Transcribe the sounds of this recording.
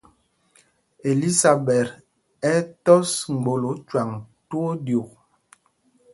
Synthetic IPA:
e˨li˦sa˨bɛ˨ɾ | ɛ˦tɔ˦sŋ͡m̩˨ɡ͡bo˨lo˨˦t͡ʃwa˨ŋtu˦o˦djo˨k̚

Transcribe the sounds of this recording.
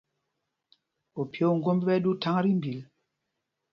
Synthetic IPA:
o˨pjo˨˦˨ŋ̩˦ɡo˦mbi˦bɛ˦du˦ta˦ŋ˦ɾi˦mbi˨l

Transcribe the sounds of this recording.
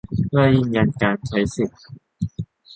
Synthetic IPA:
kaː˥˧˩ji˥˩ŋka˧nkaː˧nt͡ɕʰa˨˦˥jsi˨˩t̚

